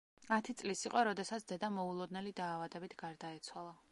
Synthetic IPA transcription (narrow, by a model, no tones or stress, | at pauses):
at̪ʰit̪sʼlisiqʼɔɾɔd̪ɛsat̪sʰd̪ɛd̪amɔulˠɔd̪nɛlid̪aːvad̪ɛbit̪ʰɡ̥aɾd̪aɛt̪sʰwalˠa